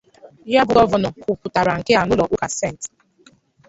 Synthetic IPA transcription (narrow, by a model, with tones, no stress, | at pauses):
ja˦bʊ˨ɡɔ˦vɔ˨nɔ˨ku˨pʊ˨ta˨ɾa˨ŋ̩˨kɪ˦a˨nʊ˦lɔ˨ʔu˦ka˨se˦˨n˨t